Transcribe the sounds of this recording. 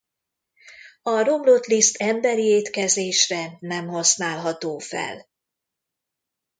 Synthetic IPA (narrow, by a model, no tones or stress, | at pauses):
ɒro̞mlo̞t̪list̪ʰɛmbɛɾieːt̪kɛzeːʃrɛnɛmɦosnaːlɦɒt̪oːfɛ̰l